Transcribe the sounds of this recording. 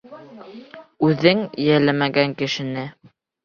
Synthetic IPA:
ʉðɘŋjælæmæɡæŋkɘ̆ʃɘ̆nɘ

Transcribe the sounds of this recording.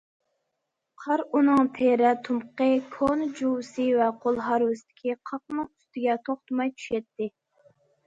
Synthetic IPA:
qʰɑɾunɨŋpʰeɾɛt̪ʰumqəkʰonɨd͡ʒuwsɨvɛqʰolˠɦɑɾwɪsɪd̪ɪ̥kʲʰiqʰɑq̚nɨŋyst̪ɪɡʲɛt̪ʰoχt̪ɨmɑjt͡ʃ̪ʰy̥ʃɛt̪ːɪ

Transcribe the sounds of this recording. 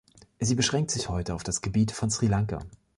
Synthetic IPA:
ziːbəʃʁ̥ɛŋktz̥ɪçhɔʏtəaʊfd̥asɡ̥əbiːtfɔnsʁ̥ilaŋka̰

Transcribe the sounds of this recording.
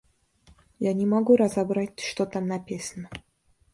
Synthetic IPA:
janʲɪmɐɡuɾɐzɐbɾatʲʂt̪ot̪amnɐpʲesʲnʲə

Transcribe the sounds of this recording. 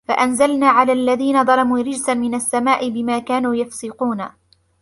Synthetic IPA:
fa̰ʔanzalnaːʕalaːʔlːaðiːnad̪ˤɑlɑmuːɾɪd͡ʒsanmɪnasːamaːʔɪbɪmaːkaːnuːjafsɪquːna

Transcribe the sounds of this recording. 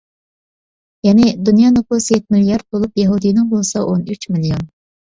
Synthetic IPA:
jɛnɪd̪unjɑnopusjɛt̪̚miljɑɾd̪̚bolˠupjɑɦud̪ijnɪŋbolˠsɑʔonyt͡ʃmiljon

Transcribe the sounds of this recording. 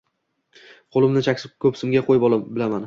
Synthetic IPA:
qʰolˠɪmnɪt͡ʃʰakʲsɪkʲʰɵpsɪmɡʲaqʰojɪpɒlˠabɪlaman

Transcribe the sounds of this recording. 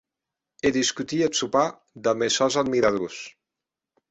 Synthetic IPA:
eðiskut̪iet̪supa | d̪əmesɔzad̪miɾaðus

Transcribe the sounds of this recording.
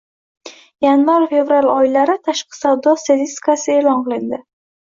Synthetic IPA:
janvaɾfe̞vɾalˠɒɪlaɾɪt̪ʰaʃqɨ̥sawd̪ɒst̪at̪ʰist̪ɪ̥kasɪe̞lɒnqɨlˠɪnd̪ɪ

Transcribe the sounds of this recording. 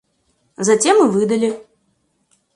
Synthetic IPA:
zat͡sʲɛmːɨvɨd̪ɐlʲi

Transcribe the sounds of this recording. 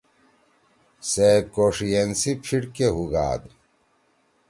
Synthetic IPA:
seːb̚koːʂijensipʰiɽkeɦuɡa̰ːd̪

